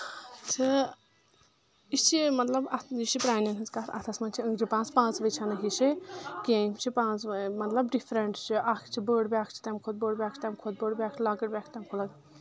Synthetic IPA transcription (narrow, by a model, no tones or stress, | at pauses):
t͡sʰɨ | it͡ʃʰimɐt̪lɐbɐiʃipɾaːnɐnɦɨzkaɾɐ̰t̪ʰɐsmɐnt͡ʃʰiəŋɡd͡ʒipãːt͡spãːt͡sʋɐjt͡ʃʰanɐɦiʃikẽkʰt͡ʃʰipãːt͡smɐt̪lɐbɖifʰɾeɳʈt͡ʃʰiʔakʰt͡ʃʰibəɽbʲaːkʰt͡ʃʰi̥t̪ɐmkʰod̪̚bəːɽbʲaːkt͡ʃʰt̪ɐmkʰod̪̚bəɽbʲaːkt͡ʃʰlaːɡəɽbʲaːkʰt̪ɐmkʰolɐɡ